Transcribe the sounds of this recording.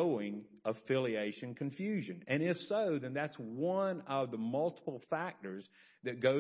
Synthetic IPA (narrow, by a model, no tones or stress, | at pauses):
ʊɪ̃ŋ | əfɪlˠieɪʃɨ̃nkʰɨ̃ɱfjʉʒɨ̃nɨ̃ñɪfsoʊðɨ̃nðætswʌ̃nʌvðəmʌlˠtə̥pl̩ˠfæk̚tə˞z | ðɨt̚ɡ̥oʊ